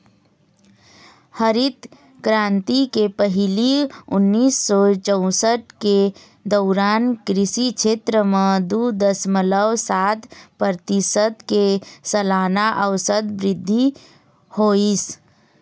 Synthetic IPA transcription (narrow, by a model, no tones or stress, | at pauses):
həɾit̪ | kɾãːnt̪ikepəɦɪliʊnːiːsːɔt͡ʃəʊ̃səʈke | d̪əʊɾaːnkɾɪsit͡ʃʰeːt̪ɾəmẽd̪ud̪əsmələwsat̪pəɾt̪isət̪kesəlaːnaʔəʋsəd̪bɾɪd̪ʱːi | hois